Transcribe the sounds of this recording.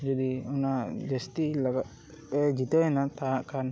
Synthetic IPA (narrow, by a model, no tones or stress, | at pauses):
d͡ʒad̪iɔnad͡ʒast̪ilaɡa | ɛd͡ʒit̪ɛnat̪aɦaʔkan